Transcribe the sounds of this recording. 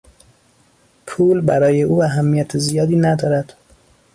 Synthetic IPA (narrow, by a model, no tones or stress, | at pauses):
pʰuːlbæɾɒːje̞ʔuːæɦæmːijæt̪ʰezijɒːd̪iːnæd̪ɒːɾæd̪̥